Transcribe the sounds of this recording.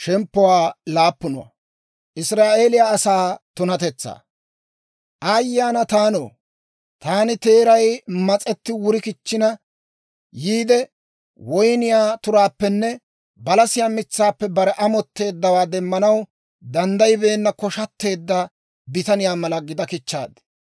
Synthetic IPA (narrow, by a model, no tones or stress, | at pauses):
ʃɛmpːɔwaːlaːpːʊnɔwa̰ | ʔɪsɾaːʔe̞ːlɪjaːsaːt̪ʊnɐt̪ɛt͡sːa̰ː | ʔɐjːaːnɐt̪aːno̰ː | t̪aːnɪt̪e̞ːɾɐjmɐt͡sʼɛt̪ːɪwʊɾɪkɪt͡ʃːɪnɐ | jiːd̪ɛ | wɔjnɪjaːt̪ʊɾaːpːɛnːɛ | bɐlɐsɪjaːmɪt͡sːaːpːɛbɐɾɛʔɐmɔt̪ːe̞ːd̪ːɐwaːd̪ɛmːɐnɐw | d̪ɐnd̪ɐjbe̞ːnːɐkɔʃɐt̪ːe̞ːd̪ːɐ | bɪt̪ɐnɪjaːmɐlɐɡɪd̪ɐkɪt͡ʃːa̰ːd̪